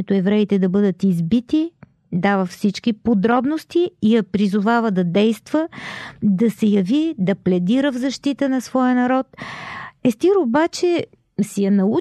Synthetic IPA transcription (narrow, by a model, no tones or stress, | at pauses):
ɛt̪oɛvɾɛit̪ɛd̪ɐbɤd̪ət̪izbit̪i | d̪avəfsit͡ʃkipod̪ɾɔbnost̪iːjɐpɾizʊvavəd̪ɐd̪ɛjst̪v̥əd̪ɐsɛjɐvid̪ɐplɛd̪iɾəvzɐʃt̪it̪ənɐsvɔjənɐɾɔt̪ | ɛst̪iɾobat͡ʃɛ | sɛjɐnɐu